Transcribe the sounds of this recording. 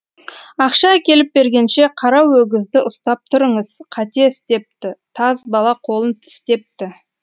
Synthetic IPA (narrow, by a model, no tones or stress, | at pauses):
ɑqʃɑːkʲe̞lɪp̚be̞ɾɡʲe̞nʃe̞qʰɑɾɑwɵɡʲɪzd̪ɪʔʊst̪ɑp̚t̪ʰʊɾəɴəz̥qʰɑt̪e̞ɪst̪e̞p̚t̪ɪt̪ʰɑzbɑlˠɑqʰo̞lˠənt̪ʰɪ̥st̪e̞p̚t̪ɪ